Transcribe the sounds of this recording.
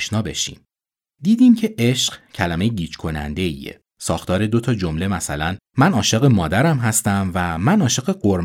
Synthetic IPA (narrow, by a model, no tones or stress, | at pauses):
ʃnɒːbe̞̰ʃḭːm | d̪iːd̪iːmcʰe̞ʔeʃɢcʰælæme̞jeɟiːt͡ʃkʰo̞næ̰nd̪e̞ḭe̞̰ | sɒ̰ːxt̪ʰɒːɾe̞d̪o̞t̪ʰɒːd͡ʒo̞mle̞mæsælæn | mænɒːʃeɣemɒːd̪æɾæmɦæst̪æmvæmænɒːʃeɣeɢoɾm